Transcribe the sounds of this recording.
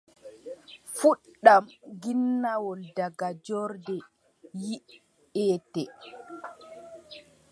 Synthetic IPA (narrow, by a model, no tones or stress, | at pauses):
fuɗamɡinːawɔldaɡad͡ʒɔɾdɛ | ji | ɛːtɛ